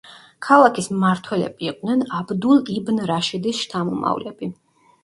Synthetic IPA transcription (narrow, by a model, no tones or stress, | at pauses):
kʰalˠakʰismaɾt̪ʰwɛlɛ̰biːqʼd̪nɛnabd̪ulˠibnɾaʃid̪isʃt̪ʰamɔma̰vlɛbi